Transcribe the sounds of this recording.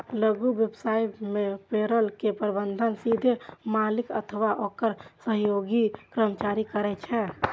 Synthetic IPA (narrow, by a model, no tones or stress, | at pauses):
ləɡuʋjəbsaimepeɾəlkepɾəbənd̪ʱənsid̪ʱemalikə̰t̪ʰəʋaʔokəɾsəɦjoɡikɾəmət͡ʃaɾikəɾɛt͡ʃʰɛ